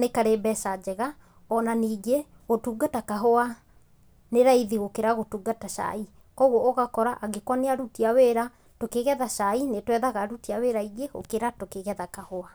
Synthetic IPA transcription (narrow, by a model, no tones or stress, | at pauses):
nekaɾebɛʃad͡ʒɛɣa | ɔnaniːɡe | ɣotuːɡatakaɦoa | neɾaiðiɣokeɾaɣotuːɡataʃa̰i | kɔuɣooɣakɔɾaʔaɡekwaneaɾutiaweːɾa | tokeɣɛðaʃainetwɛðaɣaɾutiaweɾaiɡeɣo̰keɾatokeɣɛðakahoa